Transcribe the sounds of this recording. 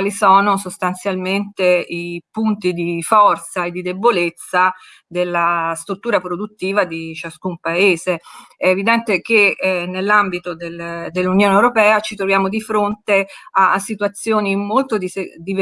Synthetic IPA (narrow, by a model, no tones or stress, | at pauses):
lisɔːnosost̪ant̪sjalment̪eipunt̪id̪ifɔrt̪saed̪ːid̪ebːolet̪sːa | d̪elːast̪ɾut̪ːuːɾapɾod̪ut̪ːiːvad̪it͡ʃaskumpaeːzeɛːvid̪ɛnt̪ek̟enelːambit̪od̪eld̪elːunjoːneewɾopɛːat͡ʃit̪ɾovjaːmod̪ifɾont̪easːit̪wat̪sːjoːniːmmːolt̪od̪ied̪iv